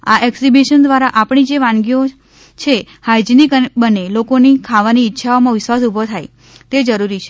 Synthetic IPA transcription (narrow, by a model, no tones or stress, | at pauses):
a̰ʔɛksibiʃənd̪ʋaɾaʔapɳid͡ʒeʋãnɡio | t͡ʃʰe | hajd͡ʒnikbənelokonikʰaʋaniːtːʃʰaomãʋɪʃʋasubʱot̪ʰaj | t̪ed͡ʒəɾuɾit͡ʃʰe̥